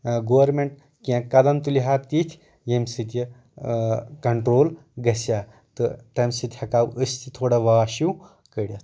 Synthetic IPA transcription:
ɡoːwɐɾmeɳʈ̚ | kʲãkɐd̪ɐnt̪uliɦaːɾ̚t̪it̪ʲʰ | jemsɨt̪ɐ | kɐɳʈɾoːl | ɡɐsja | t̪ɨt̪ɐmʲsɨt̪ʲhɐkaːwʔəst̪ʰit̪ʰoːɽaʋaːʃuw | kəɽʲjɐ

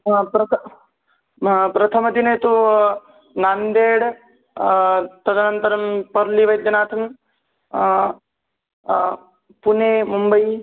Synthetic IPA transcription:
pɾɐt̪ | pɾɐt̪ʰɐmɐd̪inɐjt̪u | naːnd̪eːɽ | t̪ɐd̪ɐnɐnt̪ɐɾɐmpɐɾliʋɐjt̪̚d͡ʒɐnaːt̪ʰɐm | puneːmumbɐi

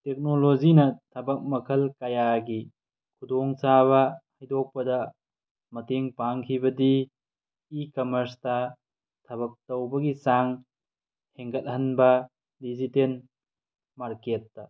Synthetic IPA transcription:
tek̚nolozinɐtʰɐbɐk̚mɐkʰɐlkɐjaɡi | kʰudɔŋsaβɐhɐjdɔk̚pɐdɐ | mɐteŋpaŋkʰibɐdiː | kɐmɐɾstɐ | tʰɐbɐk̚tɐwbɐɡisaŋ | heŋkɐt̚ɦɐnbɐ | diziten | maɾketːɐ

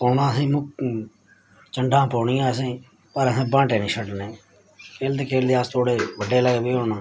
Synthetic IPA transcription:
pɔːnãːsẽːmʊ | t͡ʃəɳɖʱãːpɔːɳɪjãːsẽː | pəɾəsẽːbãːʈeːnĩːsəɖneː | keːlt̪eːkeːld̪eːaːst̪ʰoːɽeːʋəɖːeːləɡebiːoːnãː

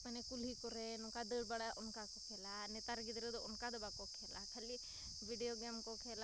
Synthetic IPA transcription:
pɐnekulɦikuɾenukad̪əɽbɐɽaʔunkakokʰelanet̪aɾɡid̪ɾed̪uunkad̪ɐbakokʰelakʰɐlːi | ʋiɖijoɡemkokʰela

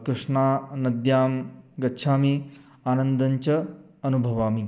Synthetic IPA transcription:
kɾuʂɳaːnɐd̪jaːmɡɐtːʃʰaːmi | aːnɐnd̪ɐɲt͡ʃɐ | ɐnubʱɐʋaːmi

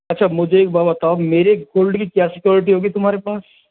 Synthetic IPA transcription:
ɐtːʃʰamʊd͡ʒʱeeːk̚baːbɐt̪aomeːɾeɡoːlɖkikjaːsɪkjɔːɾɪʈ̬iɦoːɡit̪ʊmɦaːɾepaːs

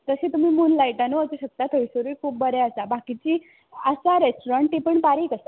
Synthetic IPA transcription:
t̪əsẽt̪um̤iːmunlajʈanuəsuɕək̚t̪at̪ʰəjsəɾiːkʰuːp̚bəɾɛəsabakit͡ɕiː | əsaɾesʈoɾãɳʈːipəɳbaɾiːkəsa

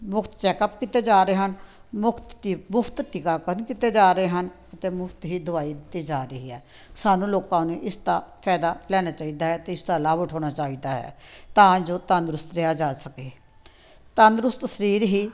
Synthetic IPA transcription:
mʊkʰt̪t͡ʃɛːkəpkit̪eːd͡ʒaːɾeːɦənmʊkʰt̪ːiːmʊpʰt̪ʈɪkaːkəɾənkit̪eːd͡ʒaːɾəɦeːɦən | ət̪ẽːmʊpʰt̪ɦiːd̪ʊʋaːiːd̪ɪt̪ːiːd͡ʒaːɾəɦiːɦɛː | saːnũːloːkãːnũːʔɪst̪aːpʰɛːd̪aːlɛːnaːt͡ʃaːiːd̪aːɦɛːt̪eːɪsd̪aːlaːbʊʈʰoːñaːt͡ʃaːiːd̪aːɦɛ̰ːt̪ãːd͡ʒoːt̪and̪ɾʊst̪ɾejaːd͡ʒaːsəkeː | t̪ə̃nd̪ɾʊst̪əsəɾiːɾɦiː

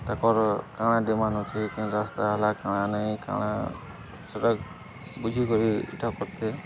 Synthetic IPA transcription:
t̪ɐkɔːɾkaːɽ̃ãːdimaːnõt͡ʃaikĩɾaːst̪aɐlakaːɽ̃ãːnaĩka̰ːɽã̰ | sɐɾəɡ | bʊd͡ʒʱikɔɾiɪ̰ʈʰakɔɾt̪eː

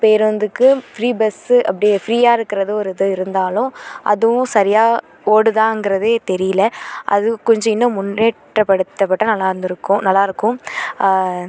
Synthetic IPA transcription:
peːɾʋɐnd̪ɯkːɯfɾiːbɛsɐp̬ːɐɽɪjfɪɾiːjaːɪɾɯkːɪɾɐðɯɔɾɯɪðɯɪɾɯnd̪aːlʊ̃ʔɐ̰ðɯʋʊ̃sɐɾɪjaː | oːɽɯðãːɪŋɡɪɾɐðeːt̪ɛɾɪjlɐʔɐ̰ðɯkːɔɲd͡ʒɐ̃ɪnːʊ̃mʊnːeːʈrɐpɐɽɯt̪ːɐpːɐʈːɐnɐlːaːɪɾɯnd̪ɪɾɯkːʊ̃nɐlːaːɪɾɯkːʊ̃

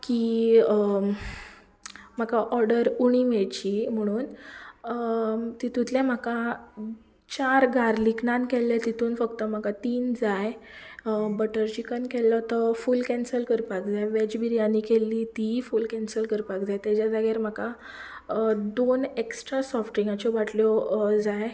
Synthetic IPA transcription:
ki | m̤akaʔɔɾɖəɾuɽ̃imeɭt͡ɕim̤əɽ̃uːn | t̪it̪ũt̪lɛ̃m̤əka | t͡ɕaɾɡʱaɾliknãnkɛlːɛt̪it̪uːnfəkt̪əm̤akat̪iːnd͡zaj | bəʈəɾt͡ɕikənkɛlːɔt̪əfulkɛ̃nsəlkəɾpakd͡zajʋed͡ʑbiɾijãnːikelːit̪ifulkɛ̃nsəlkəɾpakd͡zajt̪jad͡ʑad͡zaɡeɾm̤aka | d̪oneksʈɾasɔfʈiŋɡat͡ɕɔʋaʈljɔd͡zaj

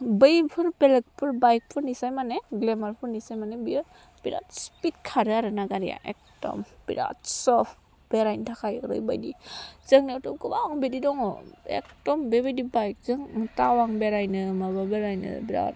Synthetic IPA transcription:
bɯjpʰɯɾpelek̚pʰɯɾbajk̚pʰɯɾnisajmaneɡlemaɾpʰɯɾnisajmanebi | biɾa̰tspit̚kʰaɾɯaɾɯnaɡaɾija̰ʔḛk̚tɔ̰mb̥ḭɾa̰tsɔp | b̥eɾajntʰakʰajɯɾɯ̰jba̰jdizɯŋnitɔmkubaŋbedidɔŋɔ̰ḛk̚tɔmbebajdibajk̚zɯŋtawaŋbeɾajnɯmababeɾajnɯ̰biɾa̰t

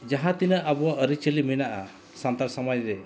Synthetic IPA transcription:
d͡ʒaɦãt̪inəʔabɔwaʔəɾit͡ʃəliminaʔa | sant̪aɾsamajɾɛ

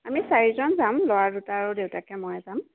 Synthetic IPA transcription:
amisaɹizɔnzamlɔwadutaːɹudewtakɛmɔjɛzam

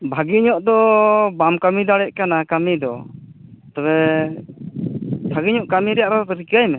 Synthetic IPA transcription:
bʱaɡiɲɔʔd̪ɔbamkamid̪aɽɛʔ̚kanakamid̪ɔ | t̪ɔbɛ | bʱaɡiɲɔʔkamiɾɛjaʔɾɔt̪ɾikajmɛ

